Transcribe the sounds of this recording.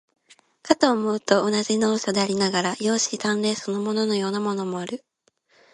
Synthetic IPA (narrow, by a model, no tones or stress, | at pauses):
kat̪oːmoɯt̪o̞ːnaʑino̞ːɕo̞d̪eaɾʲinaɡaɾajo̞ːɕit̪ãnɾe̞ːso̞no̞mo̞no̞no̞jo̞ːnamo̞no̞mo̞aɾɯ̟